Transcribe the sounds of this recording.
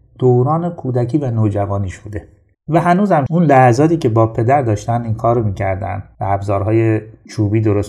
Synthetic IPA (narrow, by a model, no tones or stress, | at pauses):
d̪̥oːɾɒːne̞kʰuːd̪æcʰiːvænoːd͡ʒævɒːniːʃbuːd̪e̞ | væɦænuːzhæmunlæhæzɒːt̪ʰiːce̞bɒːpʰe̞d̪æɾd̪ɒːʃt̪ænd̪iːnkʰɒːɾomiːcʰæɾd̪æ̰nd̪̥væːbzɒːɾɦɒːjet͡ʃʰuːbiːd̪oɾos